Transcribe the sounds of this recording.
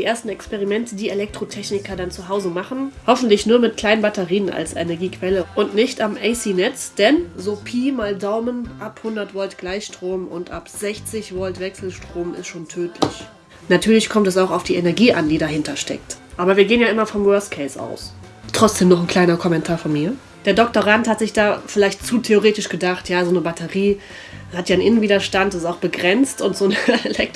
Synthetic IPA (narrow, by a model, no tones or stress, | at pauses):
diːʔeːɐstn̩ɛkspɛʁimɛntədiːelɛk̚tʁ̥otʰɛçnɪkɐdant͡suɦaʊzəmaχn̩hɔfn̩tlɪçnuːɐmɪt̚kʰl̥aɪnənbatɛʁiːənʔa̰lsḛnɛɐɡiːkv̥ɛləʔʊntnɪçtamʔɛɪsiːnɛt͡sd̥ɛnzoːpʰiːmaːldaʊmənʔaphʊndɐtv̥ɔltɡ̥laɪçʃtʁ̥oːmʊntʔapz̥ɛçt͡sɪçv̥ɔltv̥ɛksl̩ʃtʁ̥oːmɪ̰stʃoːntʰøːtʰlɪ̰ç | natʰyːɐlɪçkʰɔmtɛsaʊxaʊfd̥iːʔɛnɛɐɡiːʔandiːdaɦɪntɐʃtɛ̰k̚t | ʔaːbɐviːɐɡeːənjaːʔɪmɐfɔmwœɐstkʰɛɪsʔa̰ʊs | tʁ̥ɔt͡sd̥eːmnɔχn̩kʰl̥aɪnɐkʰɔmɛntʰaːɐfɔnmiːɐ | d̥eːɐdɔk̚toʁ̞anthatz̥ɪçd̥aːfɪlaɪçtt͡suːtʰeoʁeːtɪʃɡ̥ədaχtʰjaːzoːnəbatʰəʁiː | hatjaːɪnʔɪnənviːdɐʃtantsstaʊxb̥əɡʁɛnt͡stʊntz̥oːnəelɛk̚t